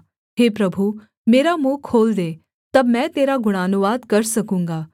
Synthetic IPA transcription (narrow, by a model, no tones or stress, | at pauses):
ɦeːpɾɐbʱu | meːɾamũːkʰoːld̪eː | t̪ɐbmɛ̃ːt̪eːɾaɡʊɽ̃aːnuʋaːd̪kɐɾsɐkũːŋ̆ɡaː